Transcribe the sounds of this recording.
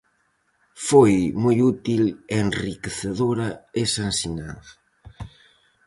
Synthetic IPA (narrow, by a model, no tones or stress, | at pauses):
fojmojut̪ileːnrikeθeðoɾɐesansina̰ð